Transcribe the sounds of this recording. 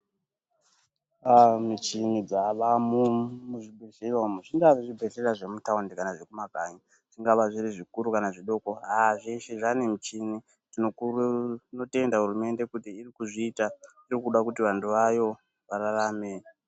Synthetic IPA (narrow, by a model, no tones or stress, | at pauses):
amit͡ʃinid͡zaʋamumuʐibʱeɬeramuʐiŋɡaʐibʱeɬeraʐe̞mutaundekanaʐe̞kumaɡʱaɲi | ʐ̥iŋɡaʋaʐiriʐikuɾukanaʐiɗo̞ko̞ɦaʐeʃeʐanemit͡ʃini | tinounote̞ndaɦurume̞nde̞kutiːrikuʐiːta | irikuɗakut̬iʋantuʋajo̞ | ʋararaːme